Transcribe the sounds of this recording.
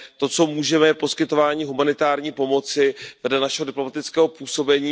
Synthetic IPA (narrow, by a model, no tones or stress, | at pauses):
t̪o̞t͡so̞muːʒɛmɛjɛpo̞skɪt̪o̞vaːɲiːɦumanɪt̪aːɾɲiːpo̞mo̞t͡sɪvɛdlɛnaʃɛɦodɪplo̞mat̪ɪt͡skɛːɦo̞puːso̞bɛɲiː